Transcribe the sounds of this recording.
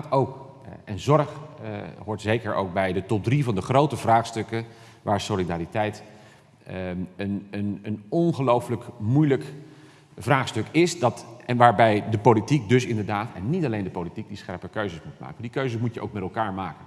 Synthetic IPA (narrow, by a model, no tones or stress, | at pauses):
towk | ɛnzɔɹχɦʊːɹtz̥ejkəɹʔo̰wk̚bɛjdətɔp̚drivɑndəχrowtəvraːχstɵkə | ʋʔaːɹsolidaːɾitɛjt | ənənənɔnχəlowfələkmujlək | vraːχstɵkɪsdɑtɛnʋaːɹbɛjdəpowlitik̚dɵsɪndəɹdaːtɛ̰nːitɑlejndəpolitik̚disχɛ̰ɹpəɹkøɥzəsmut̚ma̰ːkəndikøɥzəsmucjəo̰wkmɛtɛlˠkaːɹmaːkən